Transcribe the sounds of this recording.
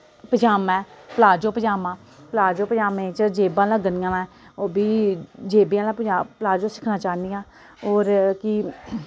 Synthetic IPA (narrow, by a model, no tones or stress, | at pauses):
pəd͡ʒaːmɛːpəlaːd͡ʒoːpəd͡ʒaːmãː | pəlaːd͡ʒoːpəd͡ʒaːmẽːt͡ʃd͡ʒeːbãːlãːɡənɪjãːlã | oːbiːd͡ʒeːbeãːlãːpəd͡ʒaːplaːd͡ʒoːsɪ̥kʰnãːt͡ʃaːniːãː | oːɾkɪ